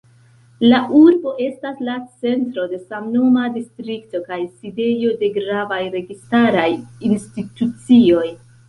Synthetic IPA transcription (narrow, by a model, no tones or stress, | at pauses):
laʔuɾbo̞ʔe̞staslat͡se̞ntɾo̞de̞samnomadistɾikto̞kajside̞jo̞de̞ɡɾavajɾe̞ɡistaɾajinstitut͡sio̞j